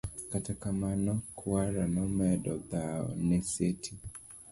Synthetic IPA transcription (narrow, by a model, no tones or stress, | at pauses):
katakamanɔkʰuaɾanɔmɛdɔdaɔ̰nɛsetʰi